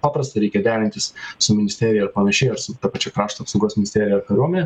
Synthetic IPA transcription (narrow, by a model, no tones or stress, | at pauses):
pɑːpɾɐst̪ɐɪɾɛɪkʲɛd̪ʲæːɾʲɪnʲt̪ʲɪssʊmʲɪnʲɪsʲt̪ʲeːɾʲɪjɛɐɾpɐnɐʃʲɛɪɐɾsʊt̪ɐpɐt͡ʃʲɛkɾɑːʃt̪oːpsɐʊɡuɔsmʲɪnʲɪsʲt̪ʲeːɾʲɪjɛɐɾkɐɾʲuɔmʲɛnʲɛ